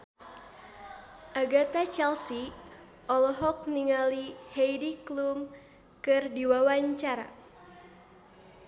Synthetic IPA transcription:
ʔaɡat̪at͡ʃɛlsi | ʔɔlɔɦɔk̚niŋalihejdiklum | kɨrdiwawaɲt͡ʃaɾa̰

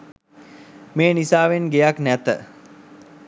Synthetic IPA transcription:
meːnisaːʋenɡejaknæt̪ə̰

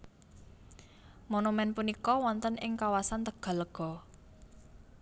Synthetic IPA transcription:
monumɛnpunikɔwɔnt̪ənɪŋkawasant̪əɡ̥a̤ləɡ̥ɔ̤

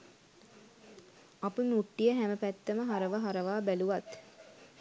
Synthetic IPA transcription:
apəmuʈːijəɦæməpæt̪ːəməɦaɾəʋəɦaɾəʋaːbæluʋat̪

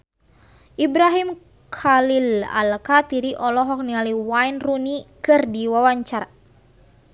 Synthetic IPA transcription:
ʔibɾaɦim | kʰalila̰lkat̪iɾiʔɔlɔɦɔk̚nialiwajnrunikɨrdiwawaɲt͡ʃara

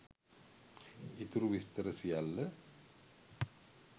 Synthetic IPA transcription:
it̪uɾuʋist̪əɾəsijalːə

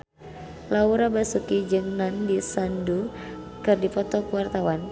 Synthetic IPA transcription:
lauɾabasukid͡ʒɨŋnandisandu | kɨrdipɔt̪ɔkuwart̪awan

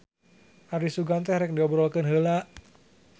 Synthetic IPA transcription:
ʔardisuɡant̪ɛhɾɛk̚ndiɔbɾɔlkənɦəlaʔ

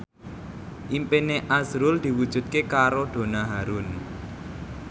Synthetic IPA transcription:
ʔimpeneʔazɾʊld̪̥i̤wud̥ʒ̥ṳt̪̚kekaɾod̪̥o̤naɦaɾʊn

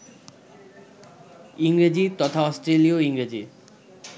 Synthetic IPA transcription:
iŋɾed͡ʑit̪ɔt̪ʰaɔsʈɾelioiŋɾed͡ʑi

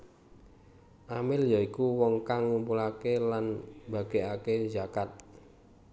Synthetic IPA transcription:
ʔamɪljaikuwɔŋkaŋːumpulakelanb̥a̤ɡ̥eʔaked͡ʒakat̪̚

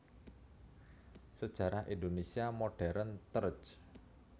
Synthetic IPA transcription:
səd̥ʒ̥ä̤ɾahʔindonesiamoɖ̥ɛɾənt̪əɾt͡ʃ

